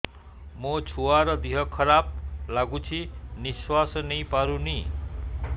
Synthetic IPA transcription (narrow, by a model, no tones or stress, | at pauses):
mʌt͡sʰuaɾʌd̪iɦʌkʰʌɾab̚laɡut͡sʰiniswasʌnʌjpaɾuni